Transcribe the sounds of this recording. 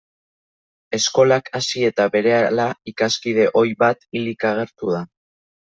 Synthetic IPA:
e̞sko̞lakasie̞t̪aβe̞ɾe̞alaikaskið̞e̞ʔo̞jβat̪ilikaɣ̞e̞ɾt̪uð̞a

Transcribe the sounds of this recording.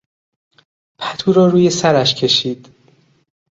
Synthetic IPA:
pʰæt̪ʰuːɾɒːɾuːje̞sæɾæʃcʰe̞ʃiːd̪̥

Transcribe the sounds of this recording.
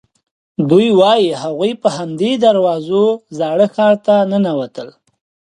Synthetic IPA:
d̪ujwɑjihaɣujpəhamd̪ed̪aɾwɑzozɑɽəxɑɾt̪anənawat̪əl

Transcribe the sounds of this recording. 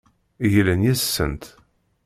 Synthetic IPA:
jələnjæssːə̰nt̪

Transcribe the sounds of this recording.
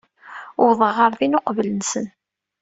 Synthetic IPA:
ʊɾðˤəʁəɾðinoqvələnsən

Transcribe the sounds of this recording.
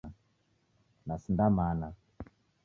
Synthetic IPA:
a | nasindamana

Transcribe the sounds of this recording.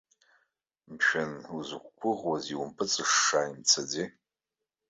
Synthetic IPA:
mʃᶣɐnuzɨkʷkʷʰʊʁwɐziwʊmpʰɨt͡sʼɨʂːaːimt͡sʰɐd͡ziː

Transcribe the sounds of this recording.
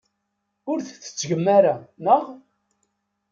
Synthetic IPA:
ʊɾθθə̥t͡sːʝəmːaɾanəʁ

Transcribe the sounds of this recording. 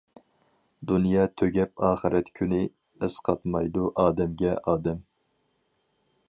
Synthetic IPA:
d̪unjɑːt̪ʰøɡʲɛpɑːχɨɾɛt̪kʲʰynɪ | ɪsqʰɑt̪mɑjd̪uʔɑːd̪ɛmɡʲɛʔɑːd̪ɛm

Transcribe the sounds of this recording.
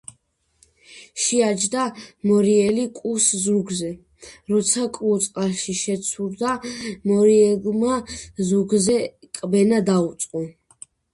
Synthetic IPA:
ʃiad͡ʒd̪amɔɾiɛlikʼuszɾuɡzɛ | ɾɔt̪sʰakʼut̪sʼqʼaʃiʃɛt̪sʰuɾd̪amɔɾiɛlmazuɡzɛkʼbɛnad̪aut̪sʼqʼɔ

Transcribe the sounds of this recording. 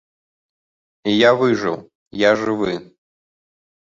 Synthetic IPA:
ijavɨʐɨ̰w | jaʐɨvɨ

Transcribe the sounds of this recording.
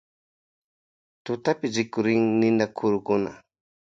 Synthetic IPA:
t̪ʊt̪apɪɾɪkʊɾɪŋnɪnakʰʊɾʊkʊna̰

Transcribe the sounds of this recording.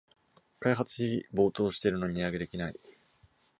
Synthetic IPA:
kaiɦat͡sɨ̥çiibo̞ːt̪o̞ːɕi̥t̪e̞ɾɯ̟no̞ɲ̟iijaɡe̞d̪e̞kʲinaḭ

